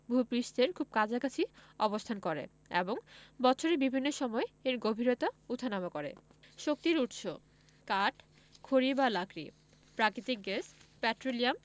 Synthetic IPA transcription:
bʱupɾiʃt̪eɾkʰub̚kad͡ʑakat͡ɕʰiɔbost̪ʰankoɾḛ | ḛboŋbɔt͡ɕʰoɾebibʱinːoʃɔmɔeeɾɡobʱiɾot̪aut̪ʰːanamakoɾḛʃok̚t̪iɾuʈʃo | kaʈ | kʰoɾibalakɾḭ | pɾakɾit̪ik̚ɡespɛʈɾoliam

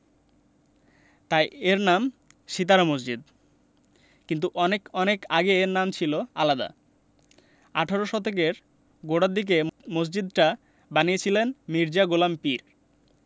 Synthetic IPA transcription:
t̪ajeɾnam | ʃit̪̬aɾamos̬d͡ʑid̪ | kint̪uʔɔnekɔnekaɡeeɾnamt͡ɕʰiloa̰lad̪a̰ | a̰ʈʰaɾoʃɔt̪ʰek̬eɾ | ɡoɽad̪ik̬emos̬d͡ʑid̪̚ʈa | baniet͡ɕʰilenmiɾd͡ʑaɡulampiɾ

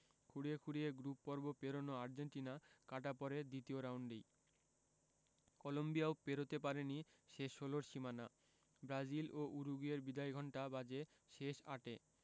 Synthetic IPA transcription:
kʰuɽiekʰuɽijeɡɾupːɔɾbopeɾonoaɾd͡ʑeɳʈinakaʈ̬apɔɾed̪it̪ioɾawɳɖi | kɔlombijaopeɾot̪epaɾeniʃeʃoloɾʃimana | bɾad͡ʑilʔoʔuɾuɡieɾbid̪ajɡʱɔɳʈabad͡ʑe | ʃeʃa̰ʈe

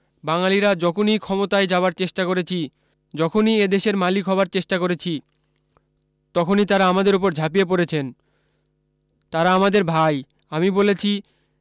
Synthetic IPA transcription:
baŋaliɾad͡ʑɔkʰonijkʰɔmot̪aed͡ʑaoaɾt͡ɕeʃʈakoɾet͡ɕʰi | d͡ʑɔkʰonied̪eʃeɾmalikʰɦɔbaɾt͡ɕeʃʈakoɾet͡ɕʰi | t̪ɔkʰonit̪aɾaamad̪eɾop̬oɾd͡ʑʱapijep̬oɾet͡ɕʰen | t̪aɾaamad̪eɾbʱaj | amibolet͡ɕʰi

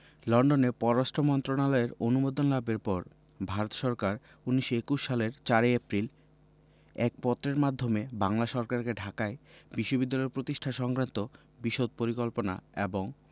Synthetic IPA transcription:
lɔɳɖonepɔɾoɾaʃʈʰomɔnt̪ɾonalɔeɾonumod̪onlabeɾpɔɾ | bʱaɾot̪ʃɔɾkaɾ | unːiʃoekuʃːaleɾt͡ɕaɾeepɾil | ɛk̚pɔt̪ːɾeɾmad̪ʱːomebaŋlaʃɔɾkaɾkeɖʱakaebiʃːobid̪ːalɔeɾpɾot̪iʃʈʰaʃɔŋkɾant̪o | biʃod̪̚poɾikolpona̰eboŋ

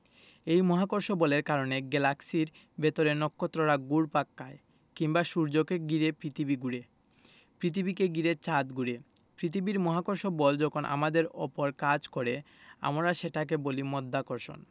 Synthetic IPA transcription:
ejmɔɦakoɾʃobɔleɾkaɾoneɡelaksiɾ | bet̪oɾenɔkːot̪ːɾoɾaɡuɾpakːae | kiŋbaʃuɾd͡ʑokeɡiɾepɾit̪ʰibiɡuɾe | pɾit̪ʰibikeɡiɾet͡ɕad̪ɡuɾe | pɾit̪ʰibiɾmɔɦakoɾʃobɔld͡ʑɔkʰonʔa̰mad̪eɾopoɾkad͡ʑkoɾe | a̰mɾaʃeʈak̬ebolimɔd̪ʱːakoɾʃo̰n

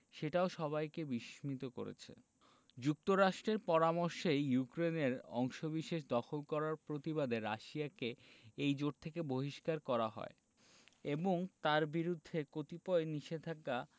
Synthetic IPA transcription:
ʃeʈaoʃɔβajkebiʃmit̪oko̰ɾḛt͡ɕʰḛ | d͡ʑuk̚t̪oɾaʃʈɾeɾpɔɾamoɾʃejjukɾeneɾɔŋʃobiʃeʃd̪ɔxʰolkɔɾaɾpɾot̪iβad̪ʱeɾaʃiakeejd͡ʑoʈ̚t̪ʰekeboɦiʃkaɾkɔɾaɦɔ̰e | eboŋt̪aɾbiɾud̪ʱːekot̪ipɔeniʃed̪ʱaka

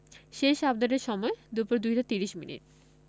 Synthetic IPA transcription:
ʃeʃab̚d̪aɾeɾʃɔmɔed̪upuɾd̪ujɦad͡ʑat̪iɾiʃminḭʈ̚

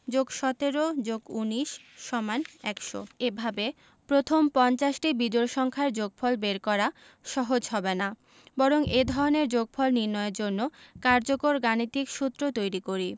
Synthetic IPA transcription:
d͡ʑoɡʃɔt̪eɾod͡ʑoɡuniʃː | ɔmanɛkʃo̰ebʱabe | pɾot̪ʰompɔnt͡ɕaʃʈibid͡ʑoɾʃɔŋkʰaeɾd͡ʑoɡ̚fʰɔlbeɾkɔɾa | ʃɔɦod͡ʑɦɔbena | bɔɾoŋed̪ʱɔɾoneɾd͡ʑoɡ̚fʰɔlniɾnɔeeɾd͡ʑonːokaɾd͡ʑokoɾɡanit̪ikʃut̪ːɾot̪ojɾikoɾi

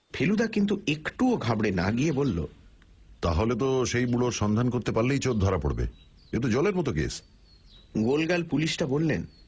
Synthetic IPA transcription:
pʰelud̪akint̪uekʈuoɡʱabɽena̰ɡiebolːo̰ | t̪aɦolet̪̬oʃejbuɽoɾʃɔnd̪ʱankoɾt̪epaɾlejt͡ɕot̪̚d̪ʱɔɾapo̰ɽbḛ | et̪̬od͡ʑɔleɾmɔt̪okḛs | ɡolɡalpuliʃʈabolːen

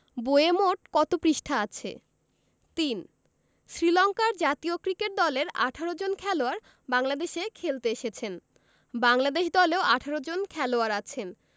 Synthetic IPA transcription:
boemoʈ̚kɔt̪opɾiʃʈʰaat͡ɕʰḛ | t̪in | ʃɾilɔŋkaɾd͡ʑat̪iokɾikeʈ̚d̪ɔleɾa̰ʈʰaɾod͡ʑonkʰɛloaɾ | baŋlad̪eʃekʰelt̪eeʃet͡ɕʰen | baŋlad̪eʃd̪ɔleoaʈʰaɾod͡ʑonkʰɛloaɾat͡ɕʰen

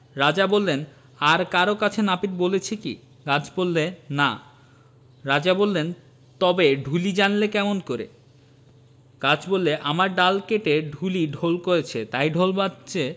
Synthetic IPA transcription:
ɾad͡ʑabolːen | aɾkaɾokat͡ɕʰenapiɾbolet͡ɕʰekḭ | kad͡ʑʰbolːena̰ | ɾad͡ʑabolːen | t̪ɔbeɖʱulid͡ʑanlekɛmonkoɾḛ | kad͡ʑʰbolːeʔamaɾɖalkeʈeɖʱuliɖʱolkoɾet͡ɕʰet̪ajɖʱolbaɕe

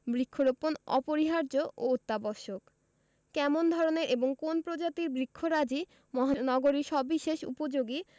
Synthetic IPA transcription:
bɾikʰːoɾoponɔ̰poɾiɦaɾd͡ʑoʔoot̪ːabɔʃok | kɛmond̪ʱɔɾoneɾʔeboŋkonpɾod͡ʑat̪iɾbɾikʰːoɾad͡ʑi | mɔɦanɔɡoɾiɾʃɔbiʃeʃṵpod͡ʑoɡi

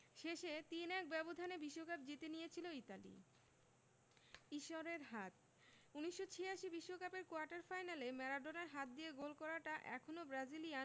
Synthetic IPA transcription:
ʃeʃet̪inɛk̚bɛbod̪ʱanebiʃːokap̚d͡ʑit̪enijet͡ɕʰiloit̪alḭ | iʃoɾeɾɦat̪̚ | uniʃːot͡ɕʰijaʃibiʃːokapeɾkoaɾʈaɾfajnalemɛɾaɖonaɾɦat̪̚d̪ijeɡolkɔɾaʈaʔɛ̰kʰonobɾad͡ʑilijan

